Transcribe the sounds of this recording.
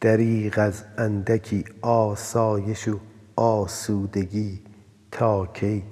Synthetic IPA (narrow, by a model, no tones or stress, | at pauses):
d̪̥æɾiːʁæzænd̪ækʰiːɒːsɒːje̞ʃo | ɒːsuːd̪eɡiː | t̪ʰɒːkʰej